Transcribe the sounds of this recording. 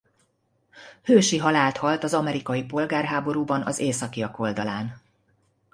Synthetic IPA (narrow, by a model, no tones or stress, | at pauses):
høːʃiɦɒlaːlt̪hɒlt̪ɒzɒmɛɾikɒjipo̞lɡaːrɦaːbo̞ɾuːbɒnɒ̰zeːsɒkijɒko̞ld̪ɒlaːn